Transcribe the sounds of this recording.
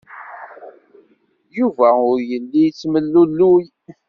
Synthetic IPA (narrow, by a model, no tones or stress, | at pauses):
juvæʊɾjəlːit͡sːməlːulːuj